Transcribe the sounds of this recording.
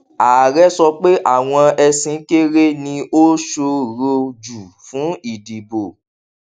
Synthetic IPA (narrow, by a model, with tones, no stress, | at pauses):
aː˨ɾɛ˦sɔ˧k͡pe˦ʔa˦˨w̃ɔ̃˧ɛ˧sĩ˧˦ke˦ɾe˦nĩ˧o˦ʃo˧ɾo˧d͡ʒu˨fũ˨˦i˦˨di˨bo˨